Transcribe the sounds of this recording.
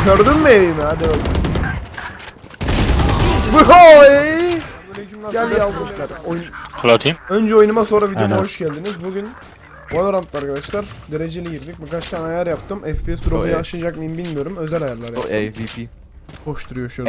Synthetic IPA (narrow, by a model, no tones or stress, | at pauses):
ɟʰøɾd̪ymːieimɦad̪iø | oe | ɟælʲjalˠd̪ɯaɾojnkʰlat̪ʰimønd͡ʒɛo̞junumaso̞nɾavid̪maɦo̞ʃɟælʲd̪inizbuɡʲyn | ad̪ˠaɾamt̪ːˠaɾkad̪aʃlˠaɾd̪eɾe̞d͡ʒelʲɛɟiɾd̪ic̚bikʰat͡ʃt̪ʰaːnajæɾjapt̪ʰɯmɛfpiɛsd̪uɾoujaʃɯd͡ʒakmɯjimbilʲmijo̞ɾumø̞zælʲajæɾlˠaɾji | ho̞ʃt̪ʰuɾujoʃu